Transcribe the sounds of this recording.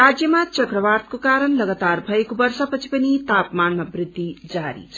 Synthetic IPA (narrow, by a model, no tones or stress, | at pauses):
ɾad͡zjʌmat͡ʃʌkrʌʋart̪̚kokaɾənlʌɡat̪arbʱʌekobʌrsapʌt͡sʰi̥pʌnit̪apmanmabrɪd̪ʱːid͡zaɾḭt͡sʰʌ